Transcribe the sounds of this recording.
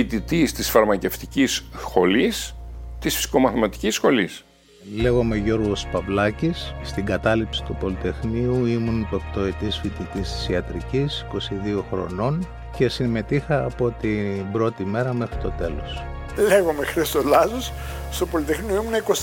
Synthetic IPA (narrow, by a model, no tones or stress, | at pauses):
it̪it̪ist̪isfɐɾmɐce̞ft̪icisxo̞list̪isfi̥si̥ko̞mɐθmɐt̪i̥cisxo̞lis | le̞ɣo̞me̞ʝo̞ɾɣo̞spɐvlɐcisːt̪iŋɡɐt̪ɐlipsi̥t̪upo̞lit̪e̞xniuimunipept̪o̞et̪isfit̪it̪ist̪i̥siɐt̪ɾicisi̥ko̞siðio̞xɾo̞̰no̞n | ce̞sime̞t̪ixɐːpo̞t̪ibɾo̞t̪ime̞ɾɐme̞xɾit̪o̞t̪e̞lo̞̰s | leɣomexɾist̪olɐzos | st̪opolit̪exnioimunɐikos